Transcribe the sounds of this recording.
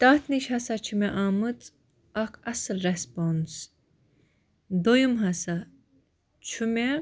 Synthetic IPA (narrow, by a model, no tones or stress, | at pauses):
t̪aːt̪ʰniʃhɐsat͡ʃʰumeʔaːmɨt͡s | ɐkʰɐsɨlɾespons | d̪ojumɦɐsa | t͡ʃʰumʲe